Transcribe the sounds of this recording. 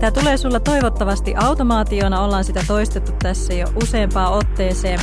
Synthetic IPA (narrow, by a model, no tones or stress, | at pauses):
t̪æt̪ule̞ːsulːɑt̪o̞jʋo̞t̪ːɑʋɑst̪iʔɑwt̪omɑːt̪io̞ːnɑo̞lːɑːnsit̪æt̪o̞ist̪et̪ːut̪ːæsːæjo̰ʔuse̞ːmpɑːo̞t̪ːe̞ːse̞ːm